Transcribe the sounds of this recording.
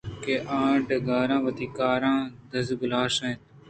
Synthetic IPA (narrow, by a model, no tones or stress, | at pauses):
keːʔãːʈɡaːɾãːʋət̪iːkaːɾãːd̪əsɡʊlaːsẽːt̪